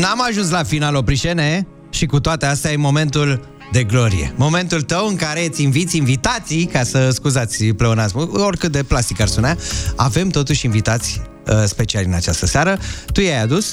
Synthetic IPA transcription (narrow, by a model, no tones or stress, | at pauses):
namaʒuns̬lafinalo̞pɾiʃene̞ | ʃikut̪oat̪east̪eajemo̞me̞nt̪ul | d̪e̞ɡlo̞ɾḭḛmo̞me̞nt̪ult̪əwɨŋkaɾe̞t̪sʲinvit̪sʲinvit̪at̪sijkasəskuzat̪sʲpleonat̪sʲuorkɨt̪̚d̪e̞plast̪ikarspunaave̞mt̪o̞t̪uʃʲinvit̪at̪sʲ | əspe̞t͡ʃialʲɨna̰t͡ʃast̪əseaɾət̪ujajad̪us